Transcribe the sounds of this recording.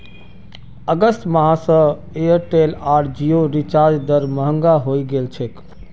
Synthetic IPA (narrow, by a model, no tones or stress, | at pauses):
əɡəsʈ̪məɦãsə̃ | eəɾʈelaɾd͡ʒioɾit͡ʃaɾd͡ʒd̪əɾməɦəŋɡaɦojɡelt͡ʃʰɛk